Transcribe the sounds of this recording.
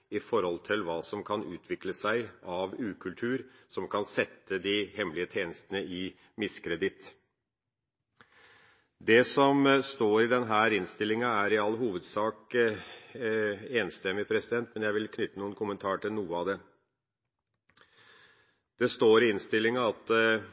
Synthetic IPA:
ɪfɔɾhɔlt̪ʰɪlʋɑːsɔmkʰɑnʉ̰ːt̪ʰʋɪkləsæɪʔɑʋʉːkʰʉlt̪ʰʉːɾsɔmkʰɑnsɛt̪ːəd̪ɪhɛmlɪət̪ʰjeːnəst̪ənəʔɪ | mɪskʰɾɛd̪ɪt̪ː | d̪ɛsɔmst̪oːɾɪd̪ɛnɦæːɾɪnst̪ɪlːɪŋɑæɾɪɑlːɦuːʋəd̪sɑːk | eːnst̪ɛmːɪpʰɾɛsɪd̪ɛnt̪mɛnjæɪʋɪlkʰnʏt̪ːənuːənkʰʊmənt̪ʰɑːʈɪlnuːəɑʋd̪ɛ | d̪̥ɛst̪oːɾɪɪnst̪ɪlːɪŋɑɑt̪

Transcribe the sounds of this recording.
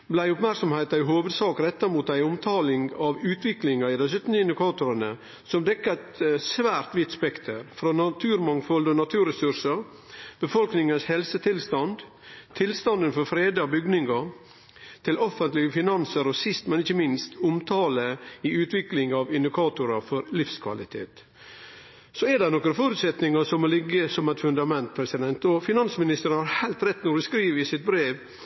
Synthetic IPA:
blæɪʊpmæɾksɔmhæɪt̪ɑɪɦoːʋəd̪sɑːkɾɛt̪ːəɾmuːt̪æɪʊmt̪ʰɑːlɪŋɑʋʉːt̪ʰʋɪklɪŋɑɪd̪ɛsʉt̪ːnəɪnd̪ɪkʰɑːt̪ʊɾɑnə | sɔmd̪ɛkːət̪sʋæːɾt̪ʋɪt̪ːspɛkt̪ʰəɾfɾɔnɑt̪ʰʉːɾmɑŋfɔld̪ɔnɑt̪ʰʉːɾəsʉɾʂəɾ | b̥əfɔlknɪŋənshɛlsət̪ʰɪlst̪ɑnd̪ | t̪ʰɪlst̪ɑnd̪ənfɔɾfɾeːd̪əɑbʏɡnɪŋɑ | t̪ʰɪlɔfənt̪lɪɡəfɪnɑnsəɾɔsɪst̪mɛnɪçːəmɪnst̪ʊmt̪ʰɑːləiʉːt̪ʋɪklɪŋɑʋɪnd̪ɪkʰɑːt̪ʊɾɑfɔɾlɪfskʰʋɑ̰lɪt̪ʰḛːt̪ | sɔɛɖɛnɔkɾəfoːɾʉːt̪sɛt̪nɪŋɑʂɔmːɔːlɪɡːəsɔmɛɪt̪fʉnd̪ɑmɛnt̪̚pʰɾɛsɪd̪ɛnt̪ɔfɪnɑnsmɪnɪst̪əɾənhɑɾhæɪlt̪ɾɛt̪ːnuːɡəskɾiːʋɪsɪt̪̚bɾeːʋ

